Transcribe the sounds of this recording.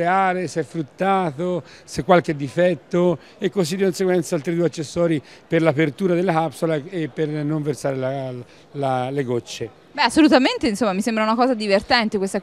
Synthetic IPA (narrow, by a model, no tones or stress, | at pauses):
eaːɾesɛfɾut̪ːaːθosekːwalk̟ed̪ːifɛt̪ːo | ekːosid̪ːikonseɡwɛnt̪salt̪ɾid̪uːeat͡ʃːesːɔːɾi | perlapert̪uːɾad̪elːakapsolaepːernoɱversaːɾela | laleɡot͡ʃːe | bɛasːolut̪ament̪einsomːamisembɾaunakɔːzad̪ivert̪ɛnt̪ekwest̪a